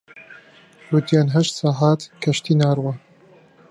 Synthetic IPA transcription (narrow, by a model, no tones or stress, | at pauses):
ɾud̪jaːnɦɐʃt̪saːɦaːt̪kʰɐʃt̪iːnaːɾwa